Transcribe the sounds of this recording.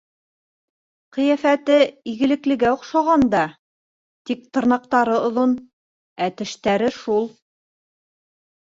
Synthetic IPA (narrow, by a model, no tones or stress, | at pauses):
qɤ̆jæfæt̪ɘiɣɘ̆lɘ̆klɘ̆ɡæŏqʃɑʁɑnd̪ɑ | t̪ik̚t̪ɤ̆ɾnɑq̚t̪ɑɾɤŏðon | æt̪ɘ̆ʃt̪æɾɘʃulˠ